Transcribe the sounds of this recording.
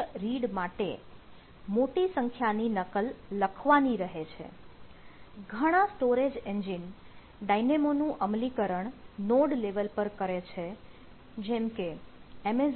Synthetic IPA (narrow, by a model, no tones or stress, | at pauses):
ɾiɽmaʈḛ | moʈisəŋkʰjaninəkəlːəkʰʋaniɾəɦet͡ʃʰḛ | ɡʱəɽ̃asʈoɾed͡ʒend͡ʒin | ɖainemonũʔəmlikəɾəɳnoɽleʋəlpəɾkəɾet͡ʃʰe | d͡ʒɛmkeeme